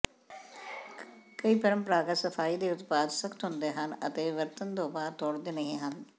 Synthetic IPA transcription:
kəiːpɪɾəmpɾaːɡət̪səpʰaːiːd̪eːʊt̪paːd̪səkʰt̪ɦʊ̃nd̪eːɦənə̰t̪eːʋəɾt̪ənt̪oːbaːɾt̪ɔːɽd̪eːnəɦĩːɦən

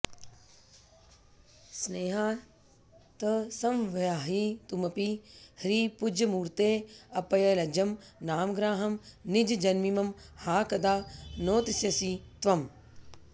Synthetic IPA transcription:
sneːɦa | t̪ɐsɐmʋɐjaːɦiːt̪umɐpihɾiːpʊd͡ʒʱɐmuːɾt̪eːɐpɐjɐlɐd͡ʒɐm | naːmɡɾaːɦɐmnɪd͡ʒd͡ʒɐnmimɐmhaːkɐd̪aːnoːt̪isjɐsiːt̪ʋɐm

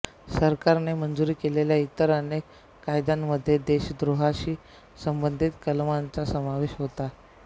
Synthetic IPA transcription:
səɾkaɾnemənd͡zuɾiːkeleljait̪əɾənekː | ajd̪amːəd̪ʱːjed̪eɕd̪ɾuɦaɕiː | səmbənd̪ʱit̪kəlmant͡sasəmaʋeɕɦot̪a

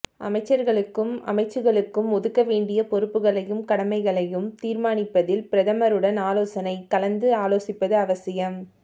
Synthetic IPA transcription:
ʔɐ̰mɐɪt͡ʃːɐɾɣɐɭɯkːɯmɐ̰mɐɪt͡ʃːɯɣɐɭɯkːɯmɔðɯkːɐʋeːɳɖɪjɐpɔɾɯpːɯɣɐɭɐjɯmkɐɽɐmɐɪɣɐɭɐjɯmt̪iːɾmaːnɪpːɐðɪlpɪɾɐðɐmɐɾɯɽɐnaːloːsɐnɐɪkːɐlɐnd̪ɯaːloːsɪpːɐðɯɐʋɐsɪjɐm

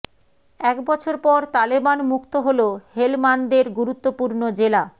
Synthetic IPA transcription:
ɛkbɔt͡ɕʰoɾpɔɾt̪alibanmukt̪oɦolohelmand̪eɾɡuɾut̪ːopuɾnod͡ʑela

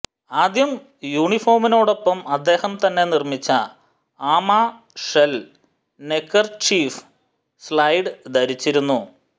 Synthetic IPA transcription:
aːd̪jɐm | juːɳifo̞ːrmino̞ːɽo̞pːɐmɐd̪ːe̞ːhɐmt̪ɐnːe̞nirmit͡ɕːɐ | aːmaː | ʂel | nekːɐrt͡ɕiːf | slɐjɖɨd̪ɐɾit͡ɕːiɾunːu

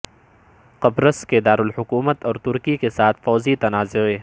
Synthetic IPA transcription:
qɐbɾəsked̪aːɾʊlhʊkuːmət̪ɔːɾt̪ʊɾkikesaːt̪ʰfɔːzit̪ɐnaːzʊeː

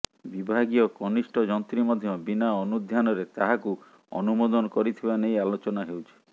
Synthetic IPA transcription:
bibʱaɡijɔkɔnisʈɔd͡ʒɔnt̪ɾimɔd̪ʱjɔbinaɔnud̪ʱjanɔɾet̪aɦaku | ɔ̰numod̪ɔnɔkɔɾit̪ʰibanejalot͡ʃɔnaɦewt͡ʃʰi̥

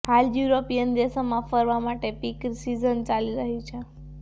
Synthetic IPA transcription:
haljuɾopijənd̪esamãfəɾʋamaʈepikɾsizənt͡ʃaliɾəɦit͡ʃʰe

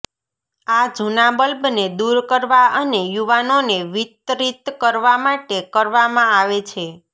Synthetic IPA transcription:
ad͡ʒʱunabəlbned̪uɾkəɾʋaʔənejuʋanoneʋit̪ɾit̪kəɾʋamaʈekəɾʋamãaʋet͡ʃʰe

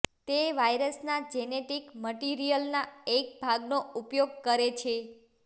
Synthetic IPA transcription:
t̪eʋajɾəsnad͡ʒɛneʈikməʈiɾijəlnaek̚bʱaɡnoupjoɡ̚kəɾet͡ʃʰe

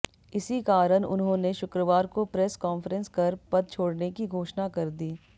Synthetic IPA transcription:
ɪsikaːɾəñʊ̰nɦõːneʃʊkɾəʋaːɾkopɾɛːskɔːnfəɾə̃nskɐɾpɐd̪̚t͡ʃʰoːɽnekiɡʱoːʃnakɐɾd̪iː

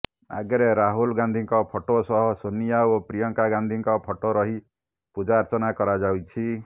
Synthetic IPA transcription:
a̰ɡeɾeɾaɦulɡãnd̪ʱiŋkɔpʰɔʈosɔɦɔsonijaopɾijɔŋkaɡand̪ʱiŋkɔpʰɔʈoɾɔɦi | pud͡ʒaːɾt͡ʃɔnakɔɾad͡ʒawt͡ʃʰi

